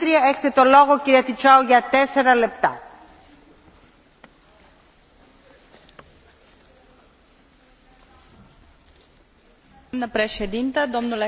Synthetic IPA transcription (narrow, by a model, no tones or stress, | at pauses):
ɾiɐeçe̥t̪et̪o̞lo̞ɣo̞ciɾiɐt̪it͡ʃɐuʝɐt̪ese̞ɾɐle̞p̚t̪ɐ | mnəpɾeʃed̪int̪ɐd̪o̞mnule